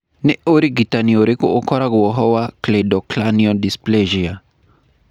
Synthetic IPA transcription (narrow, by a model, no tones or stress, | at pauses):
niuɾiɡitaniɔɾikṵɔkʰɔɾakuwɔɦɔwakledɔklaniɔdispleʒia